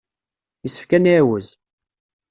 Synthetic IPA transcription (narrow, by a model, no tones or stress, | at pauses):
jəsːə̥fkæniwəz